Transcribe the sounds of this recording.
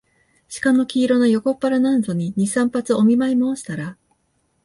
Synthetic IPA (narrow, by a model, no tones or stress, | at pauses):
ɕi̥kano̞kʲiːɾo̞nojo̞ko̞pːaɾanãnzo̞ɲ̟iɲ̟isãmpat͡sɨo̞mʲimaimoːɕi̥t̪aɾa